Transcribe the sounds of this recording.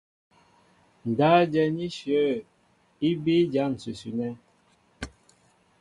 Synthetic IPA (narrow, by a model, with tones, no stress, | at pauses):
n̩˨daː˦d͡ʒɛ˨ni˦ʃə˦ | i˦bi˦d͡ʒa˦˨n̩˨sʉ˨sʉ˨nɛ˦